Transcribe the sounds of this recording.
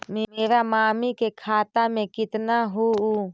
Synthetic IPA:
memeːɾamaːmikekʰaːt̪amẽkɪt̪naɦou

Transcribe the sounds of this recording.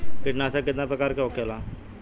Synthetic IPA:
kɪʈnaːsakɪt̪napɾəkaːɾkeokelaː

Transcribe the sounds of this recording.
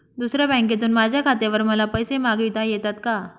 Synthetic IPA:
d̪usɾjabɛ̃k̬et̪uːnmad͡ʑʱjakʰat̪eʋəɾməlapəjsemaɡʋit̪ajɛt̪at̪ka

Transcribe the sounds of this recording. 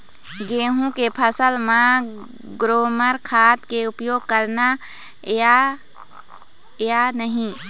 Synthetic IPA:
ɡeːɦũkepʰəsəlmã | ɡɾoːməɾkʰaːt̪keʊpjoːɡ̚kəɾna | janəɦĩ

